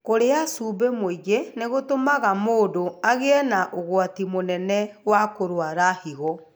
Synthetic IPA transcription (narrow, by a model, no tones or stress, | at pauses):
koɾeasuːbemoiɡeneɣotomaɣamoːdoaɣeɛnaʔoɣwatimonɛnɛwakoɾwaɾahiɣɔ